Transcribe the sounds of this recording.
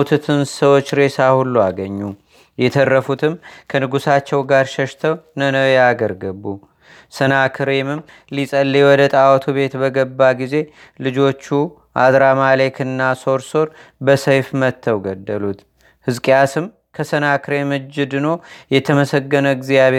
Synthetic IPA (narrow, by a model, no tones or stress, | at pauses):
ut̪ʰut̪ʰɨnsəwo̞t͡ʃːɾe̞sahulːuaɡəɲːu | jɛt̪ʰərːəfut̪ʰɨmkʰənɨɡusat͡ʃːɛwɡaɾʃəʃt̪ʰəwnənəjaɡəɾɡəbːu | sənakʰɾemɨm | lisʼəlːewɔd̪ət̪ʼawɔt̪ʰuβe̞t̪bəɡəbːaɡize̞ | lɨd͡ʒo̞t͡ʃːu | ʔa̰d̪ɾamale̞kɨnːaso̞ɾso̞ɾbəsəjfmət̪ʰːəwɡəd̪ːəlut̪ | hɨzkʼjasɨm | kʰəsənakʰɨɾe̞mɨd͡ʒːɪd̪ɨno̞jɛt̪ʰəməsəɡːənəɡzijaβe